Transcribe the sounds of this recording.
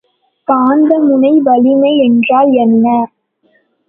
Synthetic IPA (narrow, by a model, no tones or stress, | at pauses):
paːnd̪ɐmʊnɐɪʋɐlɪmɐɪɛndraːljɛnnaːɾ